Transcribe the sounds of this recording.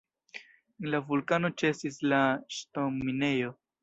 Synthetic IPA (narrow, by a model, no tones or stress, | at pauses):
enlavulkano̞t͡ʃe̞sislaʃto̞mine̞jo̞